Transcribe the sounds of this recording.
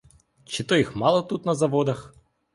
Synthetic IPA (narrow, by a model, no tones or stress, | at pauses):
t͡ʃɪt̪ɔjixmɑlˠɔt̪ut̪nɐzɐʋɔd̪ɐx